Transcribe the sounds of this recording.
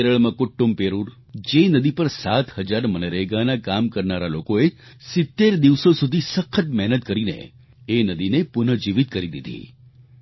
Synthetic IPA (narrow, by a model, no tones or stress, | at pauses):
ɾəɭmãkʊʈːumbpeɾuɾ | d͡ʒenəd̪ipəɾsat̪həd͡ʒaɾmənəɾeɡanakamkəɾnaɾalokoe | sɪt̪ːeɾd̪iʋsosud̪ʱisəkʰːət̪mɛɦnət̪kəɾinḛ | enəd̪inepʊnəd͡ʒiʋit̪̚kəɾid̪ḭd̪ʱḭ